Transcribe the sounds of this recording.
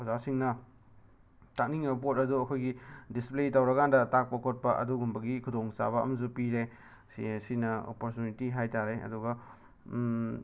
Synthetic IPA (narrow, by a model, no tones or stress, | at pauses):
ɐzasiŋnɐ | tak̚niŋebp̬otɐduɐkʰojɡidispletawɾɐkandɐtak̚pɐkʰot̚pɐʔɐ̰duɡumbɐɡikʰudoŋsa̰βɐ̰ːmɐs̬upiɾe | sisinɐo̰poɾtjunitiɦajtaɾeʔɐ̰duɡɐ